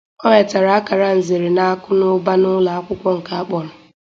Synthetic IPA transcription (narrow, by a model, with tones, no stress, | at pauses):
ɔ˦ɲe˨ta˨ɾa˨a˦ka˨ɾa˦n̩˨ze˨ɾɪ˨na˦a˦kʊ˦nʊ˦ba˦nʊ˦la˨a˦kʷʊ˦kʷɔ˦ŋ̩˨ka˨a˦k͡pɔ˨ɾʊ˨